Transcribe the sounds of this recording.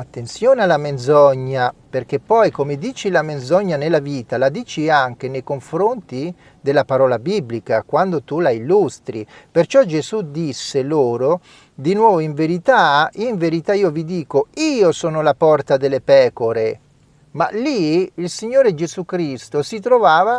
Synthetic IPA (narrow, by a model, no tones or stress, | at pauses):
at̪ːent̪sjoːnealamend̪zɔɲːaperk̟epːɔjkomed̪iːt͡ʃilamend̪zɔɲːanelːaviːt̪alad̪iːt͡ʃiaŋk̟enejkoɱfɾont̪i | d̪elːapaɾɔːlabiblikakwand̪ot̪ulailːust̪ɾipert͡ʃɔd͡ʒezud̪isːeloːɾo | d̪inwɔːvoiɱveɾit̪aiɱveɾit̪aiːovid̪iːkoiːosɔːnolapɔrt̪ad̪elːepɛːkoɾe | ma̰liːlsiɲːoːɾed͡ʒezukɾist̪osit̪ɾovaːva